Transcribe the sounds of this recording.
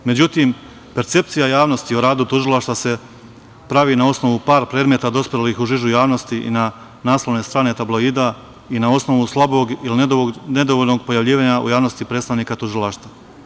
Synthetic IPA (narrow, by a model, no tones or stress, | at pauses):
me̞d͡ʑut̪im | pe̞ɾt̪se̞p̚t̪sijajaːʋno̞st̪ioɾaːd̪ut̪uʒilˠaʃt̪ase̞ | pɾaʋiːnao̞sno̞ʋupaːɾpɾed̪met̪ad̪o̞spɾelixuʒiʒujaːʋno̞st̪iʔḭna | naːslo̞ʋne̞st̪ɾaːne̞t̪ablo̞iːd̪a | inao̞sno̞ʋuslˠabo̞ɡiline̞d̪oʋolʲno̞ɡpo̞jaʋʎiːʋaːɲaʔṵjaːʋno̞st̪ipɾeːt̪st̪aʋniːkat̪uʒilˠaʃt̪a